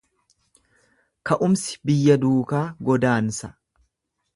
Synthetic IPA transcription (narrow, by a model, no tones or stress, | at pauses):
kɐʔʊmsɪ̥bɪjːɐd̪uːkaːɡɔd̪aːnsɐ̥